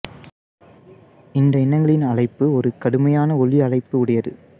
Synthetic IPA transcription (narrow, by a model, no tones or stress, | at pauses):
ɪnd̪ɐɪnːɐŋɡɐɭɪnɐɭɐɪpːɯɔɾɯkɐɽɯmɐjaːnɐɔɭiɐɭɐɪpːɯʊɽɐjɐðɯ̰